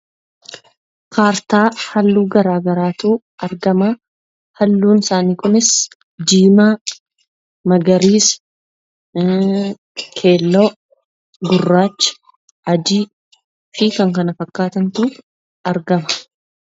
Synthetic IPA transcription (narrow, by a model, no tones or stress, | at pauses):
kʰaːɾt̪aːhɐlːuːɡɐɾaːɡɐɾaːt̪uː | ʔɐɾɡɐma | hɐlːuːnɪsaːniːkʊnɪs | d͡ʒiːma | mɐɡɐɾiːs | kʰe̞ːlːoː | ɡʊrːaːt͡ʃːɐ̥ | ɐd͡ʒiː | fɪkɐŋkɐnɐfɐkːaːt̪ɐnt̪uː | ɐɾɡɐmɐ̥